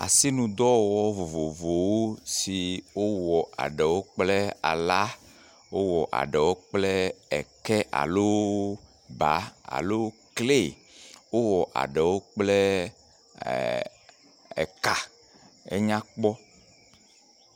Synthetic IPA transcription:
a̰˨si˦nũ˨d̪ɔ˦wɔ˦vo˨vo˨vo˨wo˦si˨wo˦wɔ˨a̰˨ɖɛ˨wo˦k͡plɛ˦a̰˨la˦ | wo˦wɔ˨ʔa̰˨ɖɛ˨wo˦k͡plɛ˦ɛ˨kɛ˦ʔa̰˨lo˦ | ba̰˨a̰˨lo˦kle˦˨ | wo˦wɔ˨ʔa̰˨ɖɛ˨wo˦k͡plɛ˦ | ɛ̰˨ka˨ | ḛ˦ɲã˦k͡pɔ˦

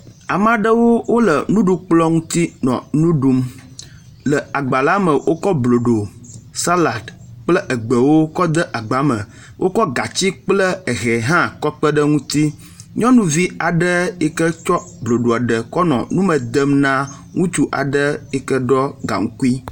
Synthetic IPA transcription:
a˨m˦ã˦ɖə˦wo˦wo˦lə˨nũ˦ɖu˦k͡plɔ˦ŋũ˦t̪i˦nɔ̰̃˨nũ˦ɖu˦m | lə˨a˨ɡ͡ba˨la˦mə˨wʔo˦kɔ˦blo˨ɖo˨sa˦la˨d̪k͡plə˦ʔə˨ɡ͡bə˨wo˦kɔ˦d̪ə˦ʔa˨ɡ͡ba˨˦mə̰̃˨ | wʔo˦kɔ˦ɡa˨t͡ɕi˦k͡plə˦ə˨ɣɛ˨ɦã˦kɔ˦k͡pə˦ɖə˦ŋũ˦t̪i˦ | ɲɔ̃˦nũ˦vi˦a˨ɖə˦e˦kə˦t͡ʃɔ˦blo˨ɖo˨a˨ɖə˨kɔ˦nɔ̰̃˨nũ˦mə̃˨d̪ə˦mnã˦ | ŋũ˦t͡ʃu˦ʔa̰˨ɖə˦e˦kə˦ɖɔ˦ɡa̰˨ŋũ˦ku˦i˦

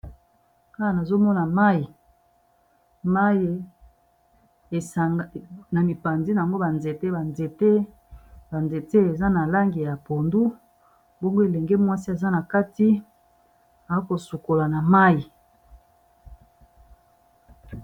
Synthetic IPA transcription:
ka˦a˨na˨zo˦mɔ˦na˨ma˦ji˨ | ma˦je˨ | e˨sa˨na˨mi˨pa˨nzi˦na˨ŋɡo˦ba˨nze˨te˦ba˨nze˨te˦ | ba˨nze˨te˦e˨za˦na˨la˦ŋɡi˨ja˨po˨ndu˦ | bo˦ŋɡo˦e˨le˨ŋɡe˦mwa˦si˦e˨za˦na˨ka˦ti˦ | a˨a˦ko˨su˨ko˨la˨na˨ma˦ji˨

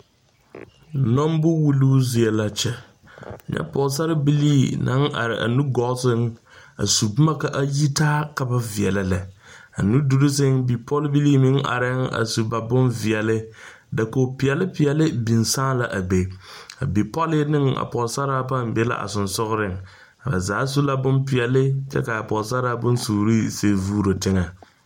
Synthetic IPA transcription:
nɔ˦m˦bʊ˦wu˦luː˦zɪ˨ɛ˨la˨t͡ʃɛ˨ | a˨ɲɛ̰˦pɔ˨s̬a˦ɾɪ˦bi˦liː˦na̰˨˦ŋʔa̰˨ɾɪ̰˨ʔa̰˨nu˦ɡɔ˦sɪ˦ŋ | a̰˨su˨bʊ˦ma˦ka˦ʔa˦ji˦taː˦ka˦ba˦vi˨ɛ˨lɪ˨lɛ˨a̰˨nu˦du˨ɾɪ˦s̬ɪ˦ŋbi˨pʰɔ˦lbi˦liː˦mɪ˦ŋa̰˨ɾɪ˦ŋa̰˨su˨ba˨bʊ˦nvi˨ɛ˨lɪ˦ | da˨ko˨pɪ˨ɛ˨lɪ˦pɪ˨ɛ˨lɪ˦bi˨nsaː˦la˨ʔa˨ɡ͡be˨a̰˨bi˨pɔ˦lɪ˦nɪ˦ŋa̰˨pɔ˨sa˦ɾaː˦pa˦˨m˨be˦la̰˦ʔa̰˨sʊ˨nsʊ˦ɣʊ˦ɾɪ˦ŋ | a˨ba̰˨zaː˨˦su˦la˦bʊ˦npɪ˨ɛ˨lɪ˦t͡ʃɛ̰˦ka˨a˨pɔ˨sa˦ɾa˦bʊ˦nsuː˨ɾi˦se˦vuː˦ɾo˨tɪ˦ŋa˨

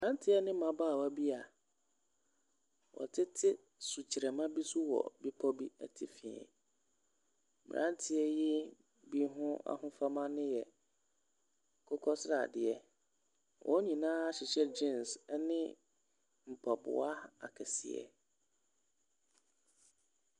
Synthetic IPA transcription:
mɪ˨ɾã˦ntʰɪ˦ɛ˦nɪ̃˦mã˨baː˦˨wa˦bi˦a˨ | wʔɔ̰˨tʰɪ˦tʰɪ˦ | su˨t͡ɕʰi˨ɾɛ˨mã˦bi˦su˦wɔ̰˨bi˦pʰɔ˦bi˦æ̰˨tʰi˦fĩ˨ɛ̰̃˨ | mɪ̰̃˨ɾʔã˦ntʰɪ˦ɛ˦jɪ˦ | bi˦ɦʊ̃˦a̰˨hʊ̃˦fa˦mã˦nɪ̃˦jɛ˨ | kʰɔ˦kʰɔ˦sɾa˨dɪ˨ɛ˦ | wʔɔ̰˨˦ɲĩ˨nãː˦a˦ɕɪ˨ɕɛ˦d͡ʑĩ˦˨nsnɪ̃˦ | m̩˨pʰa˨bʊ̰˨a˦a̰˨kʰɛ˨sɪ̰˨ɛ̰˨

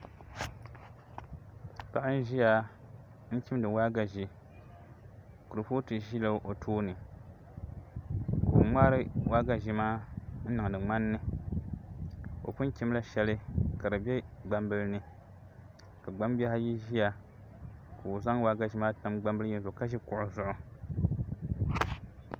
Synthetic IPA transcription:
pa˨ʔa˦n˦ʒi˦ja˨˦ | n̩˦kʲi˦m˦dɨ˨waː˦ɡa˨ʒi˦ | ku˨ɾɨ˨po˦tɨ˨ʒi˦lo˦ʔo˨tʰoː˦nɨ˨ | ko˨ŋ͡maː˦ɾɨ˦wʔaː˦ɡa˨ʒi˦maː˦n̩˦nɨ˨ŋ˨dɨ˨ŋ͡ma˦nːɨ˦ | o̰˨pʊ˦n˦kʲi˦m˦la˦ʃɛ˦lɨ˦ka˨dɨ˨bʲɛ˦ɡ͡ba˦mbɨ˦lnɨ˦ | ka˨ɡ͡ba˦m˦ba˦ha˦ji˦ʒi˦ja˨ | ko˨o˨za˦ŋ˦waː˦ɡa˨ʒi˦maː˦ta˦mɡ͡ba˦mbɨ˦lɨ˦jɛ˦n˦zʊ˨ka˦ʒi˦kʊ˨ʔʊ˨˦zʊ˦ʔʊ˦

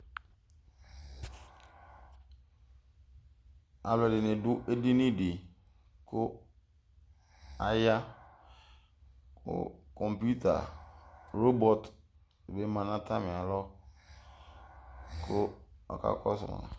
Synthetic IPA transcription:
a˨lɔ˨dɪ˨nɪ̃˨dʊ˦ʔe˦de˦nɪ̃˦de˨ | kʰʊ˦ | a˨ja˦ | kʰʊ̰˦kʰɔ˨mpu˦tʰa̰˨ | ɾo˦bɔ˦t | be˦mã˨nã˦tʰa˦mɪ̃˨a˨lɔ˦ | kʰʊ˦ɔ̰˨kʰa̰˦kʰɔ̰˦sʊ̰˨mã̰˨

